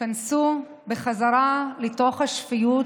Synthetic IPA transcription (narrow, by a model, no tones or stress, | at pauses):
ansu | beχazaɾalito̞χhaʃfiju